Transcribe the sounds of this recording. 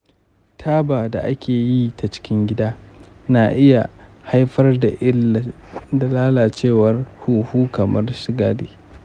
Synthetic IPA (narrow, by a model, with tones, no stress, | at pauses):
tʰaː˦baː˨da˨ʔa˦kʲʰeː˨ji˦ta˨t͡ʃɪ̥˦kʲɪ˦ŋɡʲɪ˦daː˦ | na˨ʔɪ˦ja˨ha˦jɸɐ˦rda˨ʔ | da˨laː˦laː˨t͡ʃeː˦˨wɐ˦rhuː˦huː˦kɐ˨mɐ˦rʃɪ˦ɡaː˦dḛː˨